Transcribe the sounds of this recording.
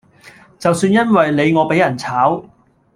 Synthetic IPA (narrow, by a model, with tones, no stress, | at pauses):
t͡sɐ˨wsyː˧njɐ˥nwɐ˨jne˨˧jŋɔː˨˧pe˨˥jɐ˨˩nt͡sʰaː˨˥w